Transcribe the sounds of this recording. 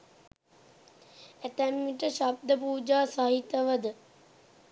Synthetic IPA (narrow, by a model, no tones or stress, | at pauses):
æt̪æmːiʈəʃab̚d̪əpuːd͡ʒaːsaɦit̪ːəʋəd̪ə